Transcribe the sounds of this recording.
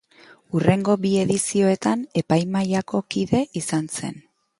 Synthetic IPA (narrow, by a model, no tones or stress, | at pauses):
ure̞ŋɡo̞bie̞ðisio̞e̞t̪ane̞pajmajako̞kiðe̞ʔisanse̞̰n